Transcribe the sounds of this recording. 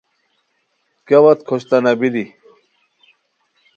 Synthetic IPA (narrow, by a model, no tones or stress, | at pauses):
kawɐt̪kʰoɕt̪anɐbili